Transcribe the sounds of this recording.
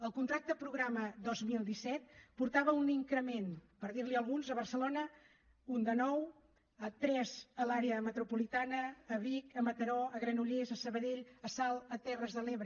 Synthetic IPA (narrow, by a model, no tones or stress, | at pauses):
əlˠkunt̪ɾak̚t̪pɾuɣɾaməd̪ɔzmilˠd̪isɛt̪̚puɾt̪aβəuniŋkɾəmenpəɾðiɾliəlˠɣunzəβərsəlonə | und̪ənɔw | ət̪ɾɛzəlaɾeəmət̪ɾupulit̪anəːβikəmət̪əɾɔəɣɾənuʎezəsəβəðeʎəsalˠət̪ɛrəzðəleβɾə